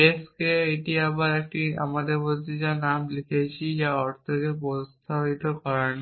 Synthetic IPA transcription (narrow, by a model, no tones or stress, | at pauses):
eskeeʈiabaɾek̚ʈia̰mad̪eɾbod̪id͡ʑanamlikʰejt͡ɕʰid͡ʑaɔɾt̪ʰekepɔst̪ʰabit̪okɔɾani